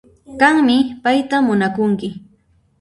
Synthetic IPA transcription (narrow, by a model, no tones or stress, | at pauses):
kaŋmɪpajt̪amːʊnakʊŋkɪ